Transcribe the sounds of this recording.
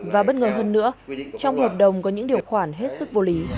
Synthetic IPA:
vaː˨˩ɓəː˧nŋəː˨˩ɦəː˧nːɨ̰˧˥ət͡ɕɔ˧wŋ͡mhəː˨˩p̚ɗə˨˩wŋ͡mkɔ˨˦ɲɨ̰˧˥ŋɗi˨˩əwxwaː˧˩nɦe˦˥t̚sɨ˦˥k̚vo˧li˨˦

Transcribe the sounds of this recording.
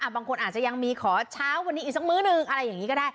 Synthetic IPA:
ʔa˧˩baː˧ŋkʰo˧nʔaː˨˩t͡ɕa˨˩ja˧ŋmiː˧kʰɔː˩˦t͡ɕʰaː˦˥wːa˧nːi˦˥iː˨˩k̚sa˦˥mɯː˦˥nɯ˨˩ŋʔa˧ɾa˧jːaː˨˩ŋiː˦˥kɔː˥˩daː˥˩j

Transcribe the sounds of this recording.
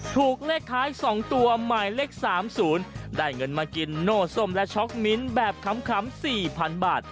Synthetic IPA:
t̪ʰuː˨˩k̚leː˥˩k̚t̪ʰːaː˦˥jsɔː˩˦ŋt̪u˧ɐmaː˨˩jle˦˥˩k̚saː˩˦msuː˩˦ndaː˥˩jŋɤ˧nmaː˧ki˧nːoː˥˩so˥˩mlɛ˦˥ʔt͡ɕʰɔ˦˥k̚mi˦˥nbɛː˨˩p̚kʰa˩˦mkʰa˩˦msiː˨˩pʰa˧nbaː˨˩t̪̚

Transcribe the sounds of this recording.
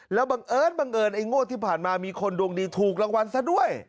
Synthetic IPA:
lɛː˦˥wba˧ŋʔɤː˧˥˩nba˧ŋʔɤː˧nʔa˧˥˩jŋoː˥˩t̪ʰiː˥˩pʰaː˨˩nmaː˧miː˧kʰo˧ndu˧əŋdiː˧t̪ʰuː˨˩k̬̚la˧ŋwa˧nsa˧˥˩du˥˩əj

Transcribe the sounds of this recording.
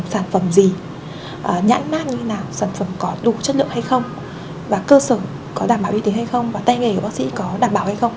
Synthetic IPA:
ŋ͡msaː˧˩nfə˧˩mzi˨˩ | ʔəː˨˩ɲa̰ː˧˥nmaː˦˥n̚ɲɨ˧e˨˦naː˨˩wsaː˧˩nfə˧˩mkɔ˨˦ɗu˨˩t͡ɕə˦˥t̚lɨ̰˧˨əha˧jxə˧wŋ͡m | vaː˨˩kəː˧səː˧˩ | kɔ˨˦ɗaː˧˩mɓaː˨˧˩wʔi˧t̪i˨˦ha˧jxə˧wŋ͡mvaː˨˩t̪a˧jŋe˨˩əː˧˩ɓa˦˥sḭ˧˥kɔ˨˦ɗaː˧˩mɓaː˧˩wha˧jxə˧wŋ͡m

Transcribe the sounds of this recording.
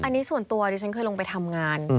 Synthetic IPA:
ʔa˧nːiː˦˥su˨˩ənt̪u˧ɐ˧iː˧˩t͡ɕʰa˦˥nkʰɤː˧jloː˧ŋp̬a˧jt̪ʰa˧mŋaː˧n

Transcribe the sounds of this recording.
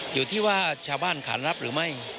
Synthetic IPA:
juː˨˩t̪ʰiː˥˩waː˥˩t͡ɕʰaː˧wbaː˥˩nkʰa̰ː˩˦nɾa˦˥p̚ɾɯː˩˦ma˥˩j

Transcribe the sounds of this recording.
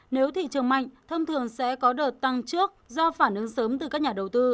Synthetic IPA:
ne˨˦wt̪ʰḭ˧˨t͡ɕɨ˨˩əŋmɓa̰˧˨jŋ̟t̪ʰə˧wŋ͡mt̪ʰɨ˨˩əŋsɛ̰˧˥kɔ˨˦ɗəː˨˩t̚t̪a˧ŋt͡ɕɨ˦˥ək̚zɔ˧faː˧˩nʔɨ˨˦ŋsəː˨˦mt̪ɨ˨˩kaː˦˥k̚ɲaː˨˩ɗə˨˩wt̪ɨ˧

